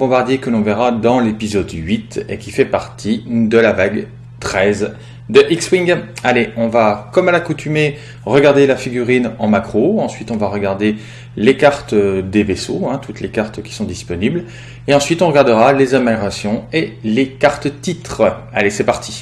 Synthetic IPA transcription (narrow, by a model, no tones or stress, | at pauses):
bɔ̃baʁd̪jekəlɔ̃vɛʁad̪ɑ̃lepizɔd̪ɥit̪ḛkʲifɛpaʁt̪ʰid̪əlavaɡ | t̪χɛz | d̪əʔikswiŋɡaleɔ̃vakɔmalakut̪yme | ʁəɡaʁd̪elafiɡʲyʁinɑ̃makχoɑ̃sɥit̪ɔ̃vaʁəɡaʁd̪e | lekaʁt̪d̪evesoɛ̃t̪ut̪lekaʁt̪kʲi̥sɔ̃d̪ispɔnibl | eɑ̃sɥit̪ɔ̃ʁəɡaʁd̪əʁalezameljɔʁasjɔ̃elekaʁt̪ət̪it̪χəalesɛpaʁt̪i